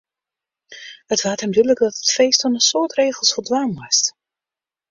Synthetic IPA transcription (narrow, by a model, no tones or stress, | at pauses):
hətʋaːthɛmdylək̚dɑtətfejstɔnənsʊːtreːɣəlˠsfɔlˠdʋaːnʋɔst